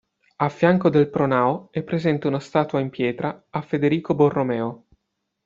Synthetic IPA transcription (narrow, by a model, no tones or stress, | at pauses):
afːjaŋkod̪elpɾonaːoɛpːɾezɛnt̪eunast̪aːt̪waimpjɛːt̪ɾaːfed̪eɾiːkoborːomɛːo